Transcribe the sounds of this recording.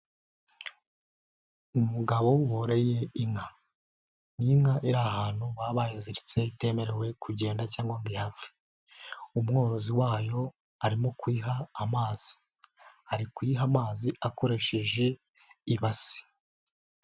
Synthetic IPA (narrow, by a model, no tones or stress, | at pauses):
umuɡaβo̞woɾeje̞iŋa | niŋaʔiɾahaːn̥huwaβajiziɾit͡se̞ite̞ːme̞ɾe̞we̞kʰuɟe̞ːndacaːŋɡwoŋɡihave̥ | umŋo̞ːɾo̞ziwaːjo̞ | aɾimo̞kwiːɦaːmaːz̥i̥ | aɾikwiɦamaːziako̞ɾe̞ʃeʒe̞ | iβasi̥